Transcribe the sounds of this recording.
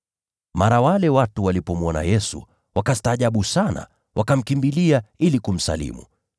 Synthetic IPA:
maɾawalɛwatuwalipɔmɔna̰jɛsṵ | wʔakastaːʄaɓusana̰ | wʔakam̩kimbiliailikum̩sa̰lḭmṵ

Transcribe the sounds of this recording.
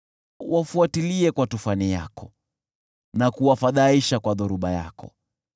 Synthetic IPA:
wafuatiliɛkwatufanija̰kɔ | nakuwafaðaiʃakwaðuɾuɓaja̰kɔ̰

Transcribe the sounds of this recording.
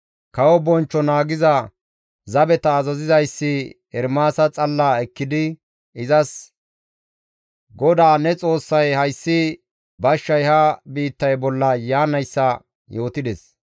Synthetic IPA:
kɐwɔbɔnt͡ʃːɔnaːɡɪzɐ | zɐbɛt̪ɐːzɐzɪzɐjsːɪ | ɛɾmaːsɐt͡sʼɐlːaːɛkːɪd̪ɪ | ɪzɐs | ɡɔd̪aːnɛt͡sʼo̞ːsːɐjhɐjsːɪ | bɐʃːɐjhɐbiːt̪ːɐjbɔlːɐjaːnɐjsːɐ | joːt̪ɪd̪ɛs

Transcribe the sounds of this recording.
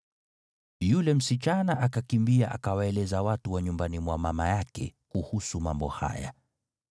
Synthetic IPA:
julɛm̩sit͡ʃanaʔakakimbiaʔakawaɛlɛzawatuwaɲumbanimwamamajakɛ̰kuhusumambɔha̰ja̰

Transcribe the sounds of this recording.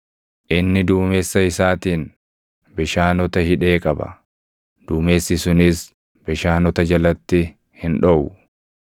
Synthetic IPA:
ʔɪnːɪd̪uːmeːsːɐɪsaːt̪iːn | bɪʃaːnɔt̪ɐhɪᶑe̞ːkʼɐbɐ̰ | d̪̥uːmeːsːɪsʊnɪs | b̥ɪʃaːnɔt̪ɐd͡ʒɐlɐt̪ːɪ | hɪnᶑɔʔʊ

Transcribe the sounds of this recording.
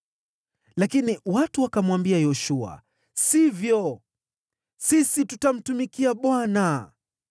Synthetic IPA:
lakiniwatuwakamwambiajɔʃua̰ | sivjɔ | sisitutam̩tumikiaɓwana

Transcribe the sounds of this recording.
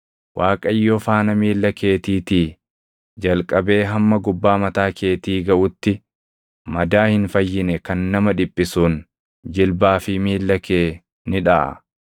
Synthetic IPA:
wʔaːkʼɐjːofaːnɐmiːlːɐkeːt̪iːt̪iː | d͡ʒɐlkʼɐbe̞ːɦɐmːɐɡʊbːaːmɐt̪aːkʰe̞ːt̪iːɡɐʔʊt̪ːɪ | mɐd̪aːhɪnfɐjːɪnɛkɐnːɐmɐᶑɪpʼːɪsuːn | d͡ʒɪlbaːfɪmiːlːɐke̞ː | nɪᶑa̰ʔɐ̰

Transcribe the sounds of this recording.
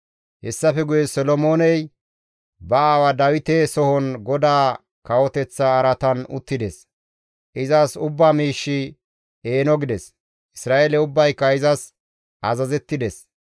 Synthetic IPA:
hɛsːɐfɛɡʊjɛsɔlɔmoːnɛj | bɐaːwɐd̪ɐwɪt̪esɔhɔnɡɔd̪aː | kɐwɔt̪ɛt͡sːaːɾɐt̪ɐnʊ̰t̪ːɪd̪ɛs | ʔɪzasʊbːaːmiːʃːɪ | eːnɔɡɪd̪ɛs | ʔɪsɾaːeːlɛʊbːɐjkːɐɪzɐs | ʔɐzɐzɛt̪ːɪd̪ɛs

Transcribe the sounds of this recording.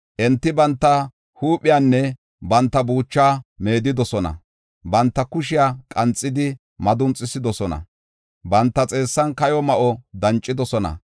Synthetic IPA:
ʔɛnt̪ːɪbɐnt̪ːɐ | huːpʼːɪjaːnːɛ | bɐnt̪ːɐbuːt͡ʃːaːme̞ːd̪ɪd̪ɔsɔnɐ̰ | bɐnt̪ːɐkʊʃɪjaːkʼɐnt͡sʼːɪd̪ɪ | mɐd̪ʊnt͡sʼːɪsɪd̪ɔsɔnɐ̰ | bɐnt̪ːɐt͡sʼe̞ːsːɐnkɐjɔmɐʔɔd̪ɐnt͡ʃʼːɪd̪ɔsɔnɐ̰

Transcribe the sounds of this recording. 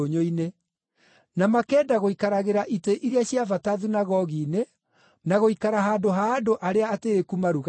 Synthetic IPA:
oɲoine | namakɛːdaɣoikaɾaɣeɾaʔiteʔiɾeaɕiavataðunaɣɔɣiːne | naɣoikaɾaɦaːndoɦaːdoʔaɾeaːteekumaɾuɣ

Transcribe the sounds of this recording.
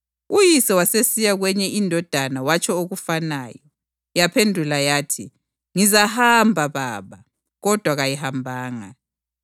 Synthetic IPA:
ujisɛwasesijaɣwɛɲɛʔindʱɔd̥ʱanawat͡ʃʰʼɔoɣufanaːjɔ | japʰendʱulajaːtʰi | ŋizahambʱaβa̰ːβa | ɣɔd̥ʱwaɣajihambʱaːŋa

